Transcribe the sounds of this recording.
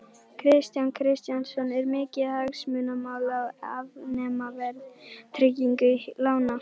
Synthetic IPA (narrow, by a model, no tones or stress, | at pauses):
kʰɾɪst̪jankʰɾɪst̪jansɔnɛɾmɪːcɪhaksmʏnamaːwlaavnɛːmavɛɾðt̪ʰɾɪciŋkʏlaːwna